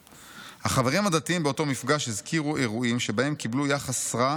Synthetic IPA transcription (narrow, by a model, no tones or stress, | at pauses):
haχaveʁimhad̪at̪iimbeoto̞mifɡaʃhizkʰiʁuʔe̞ʁuimʃe̞bahe̞mkiblujaχasːʁa